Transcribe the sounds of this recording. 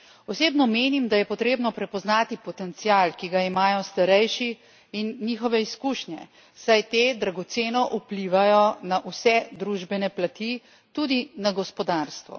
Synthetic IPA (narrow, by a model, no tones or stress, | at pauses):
ɔseːbnɔmeːnimd̪ajɛpɔt̪ɾeːbnɔpɾɛpɔznaːt̪ipɔt̪ɛnt̪sijalkiɡaimaːjɔst̪aɾɛjʃiː | nːiːxɔʋɛiskuːʃnʲjɛ̰ | sajt̪eːd̪ɾaɡɔt̪seːnɔʔupliːʋajɔnaʔusɛd̪ɾuːʒbɛnɛplat̪i | t̪ud̪inaɡɔspɔd̪aɾst̪ʋɔ̰